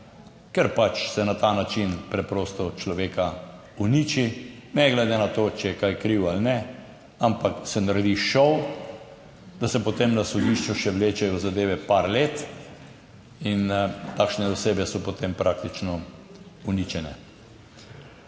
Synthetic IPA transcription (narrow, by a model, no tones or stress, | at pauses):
kɛɾpat͡ʃsɛnat̪anat͡ʃinpɾɛpɾoːst̪ɔt͡ʃlɔʋeːka | uniːt͡ʃinɛɡlɛd̪enat̪oːt͡ʃɛjɛkajkɾiwalnɛ | ampaksɛnaɾɛd̪iʃɔw | d̪asɛpɔt̪emnasɔd̪iʃt͡ʃuʃɛʋleːt͡ʃɛjɔzad̪eːʋɛpaɾleːt̪ | int̪akʃnɛd̪ɔseːbjɛsɔpot̪empɾʔak̚t̪it͡ʃnɔ | unit͡ʃɛnɛ